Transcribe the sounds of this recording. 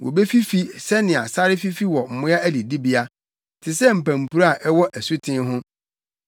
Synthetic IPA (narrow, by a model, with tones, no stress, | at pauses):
wɔ̰˨be˦fi˦fi˦sɛ˦nɪ̃˨a˨sa˦ɾɪ˦fi˦fi˦wɔ˨m̩˨mʊ̃˦a˦æ˦li˨di˦bi˦a˦ | tʰɪ˨sɛ˦m̩˨pæ̃˨m̩˨pʰu˦ɾa˨ʔɛ˦wɔ˦ʔæ˨su˦tʰɪ̃˦ɦʊ̃˦